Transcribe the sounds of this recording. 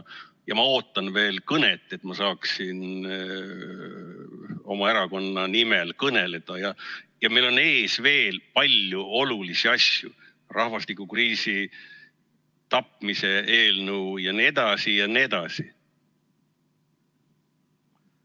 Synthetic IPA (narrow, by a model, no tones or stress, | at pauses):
jɑmɑo̞ːt̪ːˑɑnve̞ːlkɤne̞t̪ːˑe̞t̪mɑsɑːksin | o̞mɑe̞ɾɑko̞nːɑnime̞lkɤne̞le̞d̪̥ɑjɑjɑmejlo̞ne̞ːsve̞ːlpɑlʲjuo̞lulisiɑsjṵ | rʔɑhvɑst̪ikːˑukriːsi | t̪ɑpmise̞e̞ːlnuwjɑnied̪ɑsijɑnied̪ɑsi